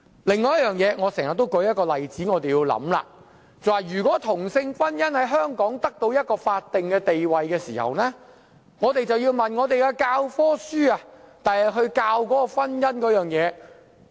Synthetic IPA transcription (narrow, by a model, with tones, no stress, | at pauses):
lɪ˨˩ŋːɔː˧jɐ˥jœː˨ŋjɛː˨˧ŋɔː˨˧sɛː˨˩ŋjɐ˨t̪ːo˥wkɵ˧ɥjɐ˥t̚kɔː˧lɐ˨jt͡siː˨˥ŋɔː˨˧t̪e˨jiː˧wlɐ̰˨˧˥mla̰ː˧ | t͡sɐ˨waː˨˩jyː˨˩kɔː˨˥t̪ʰʊ˨˩ŋsɪ˧ŋfɐ˥njɐ˥nhɐ˨˥jɦœː˥ŋkɔː˨˥ŋt̪ɐ˥k̚t̪o˨˧wjɐ˥t̚kɔː˧faː˧tt̪ːɪ˨ŋkɛː˧t̪e˨jwɐ˨jkɛː˧siː˨˩hɐ̰˨wnɛː˥ | ŋɔː˨˧t̪e˨jt͡sɐ˨wjiː˧wmɐ˨nŋɔː˨˧t̪e˨jkɐ˧kaː˧wfɔː˥syː˥a˨t̪aː˨˩hɐ˨jɦɵ˧ɥkaː˧wkɔː˨˥kɔ˧fɐ˥njɐ˥nkɔː˨˥jœː˨˩ŋjɛː˨˧